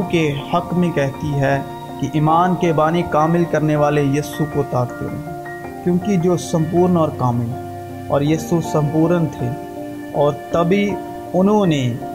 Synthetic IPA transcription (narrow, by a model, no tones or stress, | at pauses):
kehɐkmẽkɛɦt̪iɦɛ | kiʔiːmaːnkebaːnikaːmɪlkɐɾneʋaːlejiːsukot̪aːkt̪ḛɦḛɦ | kjõːkid͡ʒoːsə̃mp̬uːɾnɔːɾkaːmɪl | ɔ̰ːɾjiːsusə̃mpuːɾənt̪ʰeː | ɔːɾt̪ɐbʱi | ʊnɦõne